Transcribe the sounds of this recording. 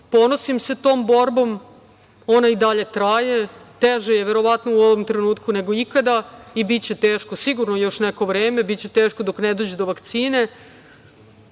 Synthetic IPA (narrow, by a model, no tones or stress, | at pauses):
po̞no̞simse̞t̪o̞ːmbo̞ɾbo̞m | o̞naid̪aʎe̞t̪ɾaje̞t̪eʒejeʋeɾo̞ʋat̪no̞uo̞ʋomt̪ɾenuːt̪kune̞ɡoikad̪aibitt͡ɕe̞t̪eːʃkosiɡuɾnojo̞ʃnɛko̞ʋɾeːme̞bit̪t͡ɕe̞t̪eːʃkod̪okned̪oːd͡ʑed̪oʋakt̪siːne̞